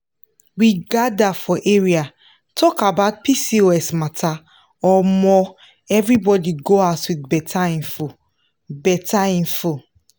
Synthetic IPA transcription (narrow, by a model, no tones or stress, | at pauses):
wiɡadafɔʔeɹia | tʰɔkabaʊt̚pisioɛsmatʰa | ɔmɔ | ɛvɹibɔdiɡoatwitbɛtʰaĩnfo | bɛtaĩnfo